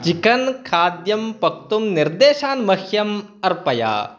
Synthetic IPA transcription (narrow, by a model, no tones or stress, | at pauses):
t͡ʃikɐnkʰaːd̪jɐmpɐk̚t̪umniɾd̪eːʃaːnmɐhjɐm | ɐɾpɐja̰ː